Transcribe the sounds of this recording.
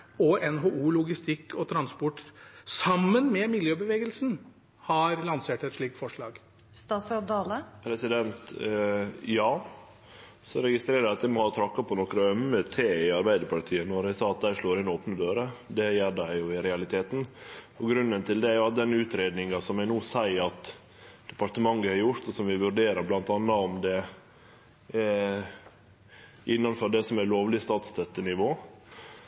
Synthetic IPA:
ɔɛnɦoːʔuːlʊɡɪst̪ɪkːɔt̪ʰɾɑnspɔʈːsɑmːənmɛmɪljøːbəʋeːɡəlsn̩ | hɑɾlɑnseːʈɛt̪ʂɭiːk̚t̪fɔʂɭɑːɡ | st̪ɑːsɑd̪ɑːləpʰɾɛsɪd̪ɛnt̪ | jɑː | sɔɾɛɡɪst̪ɾeːɾəæɑt̪d̪ɛɪmɔhɑːt̪ʰɾɑkːɑpʰɔnɔkɾɑœmːət̪ʰeːɪɑɾbæɪd̪əɾpʰɑʈʰiːənɔɾæɪsɑːɑt̪̚d̪æʂɭoːɾɪnoːpnəd̪øːɾəd̪ɛjeːɖæɪjʊɪɾɛɑlɪt̪ʰeːt̪n̩ | ɔɡɾʉnːənt̪ɪld̪ɛæɾjʊɑt̪̚d̪ɛnːʉːt̪ɾeːd̪nɪŋɑsɔmjæɪnuːsæɪɾɑt̪ | d̪̥ɛpɑɾʈ̪əmɑŋːəhɑɾjʊɾt̪ɔsɔmʋɪʋʉɾɖeːɾəɾblɑnt̪ɑnːɑɔmd̪ɛ | ʔɪnːɑnfɔɖɛsɔmæloːʋlɪst̪ɑːt̪st̪ʰœt̪ːənɪʋoː

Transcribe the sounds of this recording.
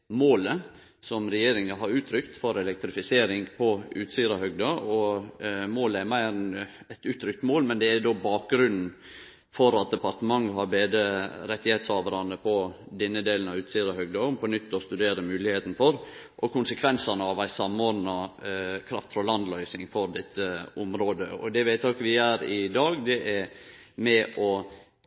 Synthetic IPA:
moːlə | sɔmɾɛjeːɾɪŋɑɦɑɾʉːt̪ʰɾʏkt̪fɔɾɛlɛk̚t̪ɾɪfɪseːɾɪŋpʰɔʉ̰ːt̪siːɾɑhœɡd̪ɑɔ | moːləæɾmæɪɾɛn | ɛt̪ʉːt̪ʰɾʏkt̪moːlmɛnd̪ɛæɾd̪oːbɑːk̚ɡɾʉnn̩ | fɔɾɑt̪̚d̪ɛpɑɾt̪əmɑŋːɦɑɾbeːd̪əɾɛt̪ːɪheːt̪shɑːʋəɾɑnəpʰɔd̪ɛnːəd̪eːln̩ɑʉːt̪siːɾɑhœɡd̪ɑːnpʰɔnʏt̪ːɔst̪ʉd̪eːɾəmʉːlɪheːt̪n̩fɔɾ | ʔɔkʰʊnsəkʰʋɛnsɑnəɑʋæɪsɑmːoːɾd̪nɑkʰɾɑft̪fɾɑlɑnd̪lœʏsɪŋfɔɾd̪ɛt̪ʰːəʊmɾoːd̪əɔ̰d̪ɛʋæɪt̪okʋɪjæːɾɪd̪ɑːɡd̪ɛʔɛɾmɛʔɔ

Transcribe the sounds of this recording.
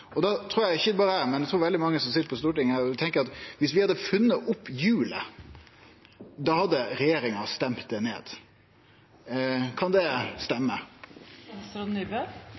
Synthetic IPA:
ɔd̪ɑt̪ʰɾuːɾjæɪçːəd̪ɛbɑːɾəæɾmɛnæt̪ʰɾuːɾʋɛlɪmɑŋːəsɔmsɪt̪ːəpʰɔst̪uːʈɪŋhæːɾt̪ʰɛŋkəɾɑt̪ʋɪsʋɪhɑd̪ːəfʉnːəʔʊpːjʉːlə̰ | d̪ɑhɑd̪ːəɾɛjeːɾɪŋɑst̪ɛmt̪̚d̪ɛnḛːd̪̥ | kʰɑnd̪ɛst̪ɛmːə | ɾnybə

